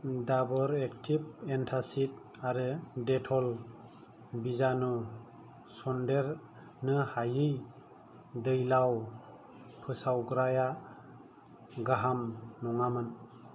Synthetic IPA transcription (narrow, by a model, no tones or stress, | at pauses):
dabɔɾektʰip̚entʰasit | aɾɯdetʰɔl | bizanu | sɔndeɾ | nɯhajɯj | dɯjlaw | pʰɯsawɡɾaja | ɡaɦamnɔŋamɯn